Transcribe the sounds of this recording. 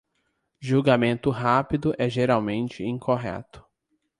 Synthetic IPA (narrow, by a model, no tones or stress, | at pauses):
ʒuɡamẽnt̪ʊɦapid̪ʊʔɛʒeɾawmẽnt͡ʃɪĩŋkʰoɦɛ̰t̪ʊ̥